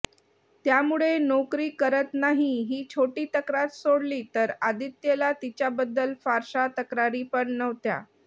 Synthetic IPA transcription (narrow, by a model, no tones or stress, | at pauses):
t̪jamuɭenokɾiːkəɾət̪naɦiɦiːt͡ɕʰoʈiːt̪əkɾat̪soɽliːt̪əɾad̪it̪jelat̪it͡ɕjabəd̪ːəlfaɾɕat̪əkɾaɾiːpəɳnəʋt̪ja̰